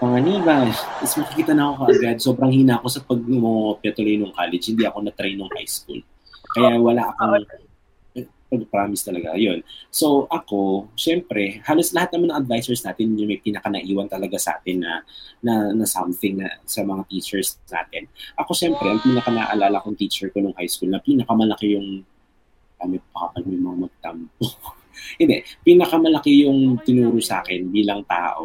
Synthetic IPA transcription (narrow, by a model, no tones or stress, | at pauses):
pɐŋɐniːbaɪsmɐkɪkiːt̪ɐnɐkokɐʔɐɡad̪̚so̞bɾɐŋhiːnaʔɐko̞sɐpɐɡ̚mopɪɐt̪ʊlojnoŋkaːlɛd͡ʒhɪnd̪iɐko̞nɐt̪ɾejnːoŋha̰jskṵl | kɐjawɐlaʔɐkoŋ | pɐɡ̚pɾaːmɪst̪ɐlɐɡa̰jo̞nso̞wʔɐko̞ʃɛmpɾɛhaːlo̞slɐhat̪nɐmanɐŋʔɐd̪̚vajsɛɹsnaːt̪ɪnɲʊŋmɐjpiːnɐkɐnɐʔiːwɐnt̪ɐlɐɡasɐa̰ːt̪ɪnːɐ̰nɐnɐsɐmθɪŋnɐsɐmɐŋat̪iːt͡ʃɛɹsna̰ːt̪ɛnʔɐko̞ʃɛmpɾɛʔɐŋpiːnɐkanɐ̰ʔɐlaːlɐkoŋt̪iːt͡ʃɛɹkonʊŋhajskulnɐpiːnɐkamɐlɐkɪjʊŋ | ɐmɛpɐkɐpɐɡ̚mɐjmɐŋamɐɡ̚t̪ɐmpo | hɪnd̪ɛpiːnɐkɐmɐlɐkɪjʊŋt̪ɪnuːɾʊsa̰ːkɛnbiːlɐŋt̪a̰ːʔo̞̰